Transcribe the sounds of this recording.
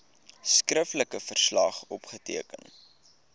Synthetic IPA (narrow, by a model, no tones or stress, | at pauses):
skrəfləkəfərslɐχɔpχətiəkə̰n